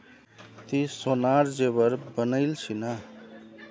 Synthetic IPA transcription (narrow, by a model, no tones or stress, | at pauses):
t̪isonaɾd͡ʒebəɾbənəjlsʰina